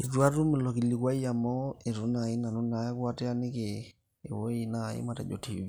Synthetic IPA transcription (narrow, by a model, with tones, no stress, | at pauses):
i˨twa˦ɾu˦mɪ˨lɔ˨ki˨li˨kwa˦i˦a˨mɔ˦e˨ɾu˨˦na˨i˦na˨nu˦na˨˦a˦kwa˦tɛ˦a˦nɪ˦kḛː˨ | wo˦i˨na˨ḛ˦ma˨ta˨d͡ʒɔ̰˨ti˨i˦